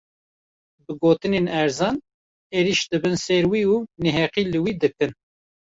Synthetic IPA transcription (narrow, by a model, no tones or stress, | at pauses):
bɨɡoːt̪ɨnenɛɾzɑːn | eːɾiʃd̪ɨbɨnsɛɾwiːuːnɛɦɛqiːlɨwiːd̪ɨkɨn